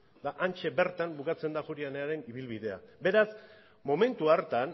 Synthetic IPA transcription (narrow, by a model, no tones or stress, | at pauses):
d̪aʔant͡ʃe̞be̞ɾt̪ambukat͡se̞nd̪axuɾianeaɾe̞niβ̞ilβiðe̞a̰be̞ɾas | mo̞me̞nt̪uaɾt̪an